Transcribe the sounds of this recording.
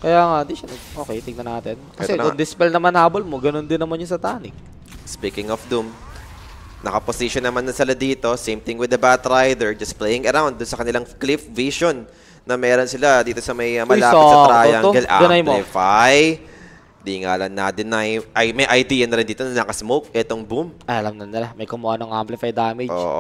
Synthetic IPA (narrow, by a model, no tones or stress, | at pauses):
kɐjaːŋɐʔnd̪iʃɐnɐɡʔoːkejt̪ɪŋnɐnaːt̪ɪnkɐtɛkʊd̪ɪspɛlnɐmanhaːbolmoɡɐnond̪ɪnːɐmanɲʊsɐt̪aːnɪk̚ | spikɪŋɔfd̪um | nɐkɐposiʃonːɐmanːɐsɪlad̪iːt̪o̞simt̪ɪŋwɪd̪ɐbat̪ɾajd̪ɛɹd͡ʒɐsplejɪŋɐɾawnd̪ːʊnsɐkɐnɪlaŋklɪfviʃonː | ɐmɛːɾo̞nsɪlad̪iːt̪o̞sɐmɐjmɐlaːɪsɐɾaːjaŋɡɛlʔa̰d̪ɐnajmlɪfaj | d̪iŋa̰ʔlɐnnad̪ɪnajʔɐjmɐjʔɐjd̪iːjɐnɐɾɪnd̪iːt̪onɐnɐkɐsmowk̚ʔɛt̪o̞ŋbumʔɐɐlɐmnɐnɪlamɐjkʊmoʔanoŋʔamplɪfajd̪aːmɪʔo̰ːʔo̰